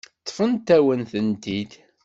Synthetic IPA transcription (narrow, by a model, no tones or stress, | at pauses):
t̪ˤːfənt̪æwənθənt̪id̪